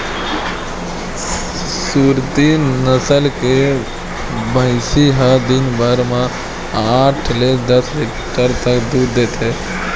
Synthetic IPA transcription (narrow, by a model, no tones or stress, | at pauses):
suːɾt̪inəsəlke | bə̃ɪsiɦad̪ɪnbəɾmã | aːʈʰled̪əsbekʈəɾt̪əkd̪uːɾd̪eːt̪eː